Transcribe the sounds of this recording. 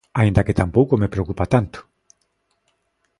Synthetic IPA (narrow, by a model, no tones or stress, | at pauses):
aind̪aket̪ampowkomepɾeokupat̪ant̪o̥